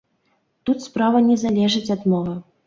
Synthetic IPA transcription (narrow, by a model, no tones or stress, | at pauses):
t̪ut̪spɾavɐnʲɛzalʲɛʐɨt͡sʲad̪mɔlɐ